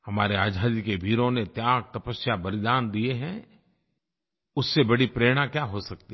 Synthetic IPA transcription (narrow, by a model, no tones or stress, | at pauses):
hɐmaːɾeaːd͡ʒʱaːd̪ikebʱiːɾõnet̪jaːɡ̚t̪ɐpəsjabɐlɪd̪aːnd̪ieɦɛ̃ | ʊsːebɐɽipɾeːɽ̃ãkjaːɦosɐk̚t̪i